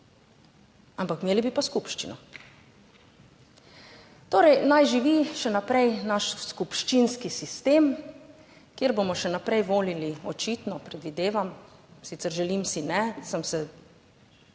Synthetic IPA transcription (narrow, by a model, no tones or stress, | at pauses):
ampakmeːlibipaskupʃt͡ʃinɔ | t̪oːɾɛjnajʒiʋiʃɛnapɾɛjnaʃskupʃt͡ʃinskisist̪eːm | kjeɾbomɔʃɛnapɾɛjʋoːliliɔt͡ʃit̪nɔpɾɛd̪ʋid̪eːʋamsit̪sɛɾʒɛlimsinɛsamsɛ